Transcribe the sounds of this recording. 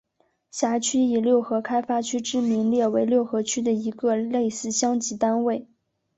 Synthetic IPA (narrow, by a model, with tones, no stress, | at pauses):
ɕja˧˥t͡ɕʰy˥i˨˩ljo˥˩ʊxɤ˧˥kʰa˥ɪfa˥t͡ɕʰy˥ʈ͡ʂɻ̩˥˩mi˧˥ŋljɛ˥˩we˧˥ɪljo˥˩ʊxɤ˧˥t͡ɕʰy˥d̪ə˨i˧˥ɡə˧le˥˧ɪsɹ̩˥˩ɕjɑ˥ŋt͡ɕi˧˥t̪a˥nwe˥˩ɪ